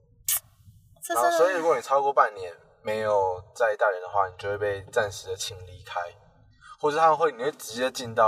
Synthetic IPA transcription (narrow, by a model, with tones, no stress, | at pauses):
a˦sɔ˧˥i˨˧ɻu˥˩ɡni˨˩ɑ˥ʊkwɔ˥˧pa˥˨nːjɛ˨˦n | me˧˦ɪjo˨˩ʊt͡sa˥˧ɪt̪a˥˩ɻə˨˦nd̪ə˨xwa̰˥˩ni˨˩t͡ɕjo˥˧we˥˩pe˥˧ɪt͡sa˥˩nʂɻ̩˨˥d̪ə˩t͡ɕʰi˧˥ŋli˧˩kʰa˦ɪ | xwɔ˥˧ʂ̩˥˩t̪ʰa˥mə˨˧xwe˥˩ɪni˨˩we˥˩ʈ͡ʂɻ̩˧˥t͡ɕjɛ˧˥d̪ə˨t͡ɕi˥˧nt̪ɑ˥˨